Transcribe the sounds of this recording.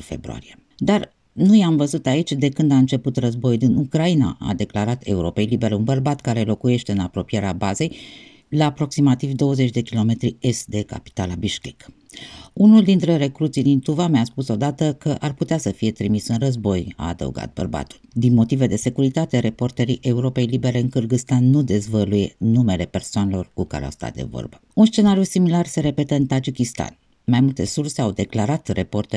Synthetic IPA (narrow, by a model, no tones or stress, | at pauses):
fe̞̰bɾo̰a̰ɾie | d̪ar | nujamvəzut̪ait͡ʃʲd̪e̞kɨnd̪aɨnt͡ʃe̞put̪rəzbo̞jd̪inukɾaina̰ʔa̰d̪e̞klaɾat̪e̞uɾo̞pe̞jlibe̞ɾeunbərbat̪kaɾe̞lo̞kuje̞ʃt̪e̞ɨnapɾo̞pije̞ɾeabaze̞j | laːpɾo̞ksimat̪ivd̪o̞wəze̞t͡ʃʲd̪e̞kʲilo̞me̞t̪ɾie̞st̪d̪e̞ka̰pi̥t̪alabiʃkʲik | unuld̪int̪ɾe̞re̞kɾut̪sijd̪int̪uvameaspuso̞d̪at̪əkəʔarput̪easəfije̞t̪ɾimisɨnrəzbo̞ja̰ːd̪ə̰wṵɡa̰t̪̚bə̰rba̰t̪uld̪inmo̞t̪ive̞d̪e̞se̞kuɾit̪at̪eɾe̞po̞rt̪eɾiʔe̞uɾo̞pe̞jlibe̞ɾe̞ɨŋkɨrɡɨst̪anːud̪e̞zvəluje̞nume̞le̞pe̞rsoanelo̞rkuka̰ɾea̰wst̪a̰t̪̚d̪e̞̰vo̞̰rbəunst͡ʃe̞naɾijusimilarse̞ɾe̞pe̞t̪əɨnt̪ad͡ʒikʲist̪a̰n | majmult̪e̞̰surse̞awd̪eklaɾat̪re̞po̞rt̪e